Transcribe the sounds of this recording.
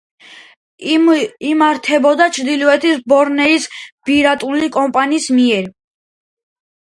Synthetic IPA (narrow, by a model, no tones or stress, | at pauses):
imaɾt̪ʰɛbɔd̪at͡ʃʰɾd̪ilɔɛt̪ʰisbɔɾnɛisb̥iɾat̪ʼulikʼɔmpʼaniːsmiɛɾ